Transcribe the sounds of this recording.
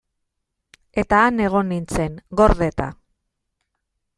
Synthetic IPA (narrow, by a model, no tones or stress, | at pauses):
e̞t̪aːne̞ɣ̞o̞nint͡se̞ŋɡo̞ɾðe̞t̪a̰